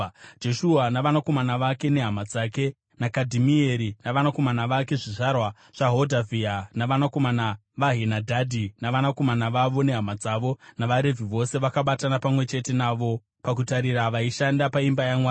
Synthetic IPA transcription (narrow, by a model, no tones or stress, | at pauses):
d͡ʒe̞ʃuɦanaʋanako̞manaʋake̞ne̞ɦamad͡zaːke̞ | nakadʱimieɾinaʋanako̞manaʋake̞ʐiʐarwa | ʐ̥aɦodavianaʋanako̞mana | ʋaɦenadʱadʱinaʋanako̞manaʋaʋone̞ɦamad͡zaːʋo̞naʋaɾe̞viʋo̞se̞ʋakaɓatanapamwe̞t͡ʃe̞te̞naːʋo̞ | pakutaɾiraʋaiʃandapaimbajaŋwa